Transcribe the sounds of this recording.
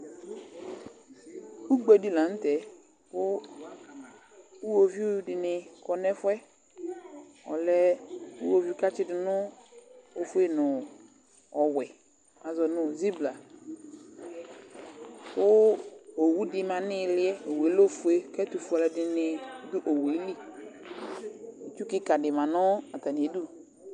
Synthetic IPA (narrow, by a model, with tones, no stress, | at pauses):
u˦ɡ͡be˨di˦la˨n̩˦tɛ˨ | wʊ˦ | u˦wo˨vi˦dɪ˨nɪ̃˨kɔ˨nɛ˦fɛ˦ | ɔ̰˨lɛ˦ṵ˦wo˨vi˦ka˦t͡ʃɪ˦dɪ˨nʊ̃˦ | o˨fu˦e˦nʊ̃˨ | ɔ˨wɛ˨ | a˨zɔ˨nʊ̃˦˨zi˦bla˨ | ʊ˦o˨wu˦dɪ˨mã˨nɪ˦˨lɪ˦ɛ˦o˨we˨˦lo˦fʊ˨e˦kɛ˦t̪u˨fu˨a˨lɛ˨dɪ˨nɪ˨dʊ˦ʔo˨we˨˦li˦ | e˨t͡ʃu˦kɪ˦ka˨dɪ˨mã˨nʊ˦a˨t̪a˨n˨˦du˦